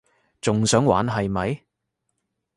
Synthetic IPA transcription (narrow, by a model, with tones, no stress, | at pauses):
t͡sʊ˨ŋsœː˨˥ŋwa̰ː˨˥nɦɐ˨jmɐ˨˥j